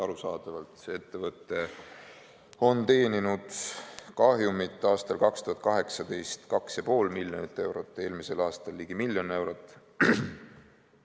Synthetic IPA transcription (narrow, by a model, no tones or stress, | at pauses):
ɑɾusɑːd̪ɑvɑlt̪ˑsee̞t̪ːevɤt̪ːˑe̞ | o̞nt̪e̞ːninud̪̥kɑɦjumit̪ːˑɑːst̪ɑlkɑkst̪uhɑt̪̚kɑɦe̞ksɑd̪̥e̞jst̪kɑksjɑpo̞ːlmilʲjonit̪ːˑe̞wɾo̞t̪ːˑe̞ːlmise̞lɑːst̪ɑlːiːɡ̥imilːjo̞ne̞wɾo̞t̪ːˑ